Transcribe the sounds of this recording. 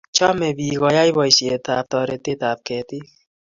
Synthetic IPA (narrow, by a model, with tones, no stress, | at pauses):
t͡ʃɔ˦me˨bi˨kɔ˨ja˦i˦bɔ˨i˨si˨e˨ta˨p̚tɔ˨ɾe˨te˦ta˨p̚kɛ˨ti˦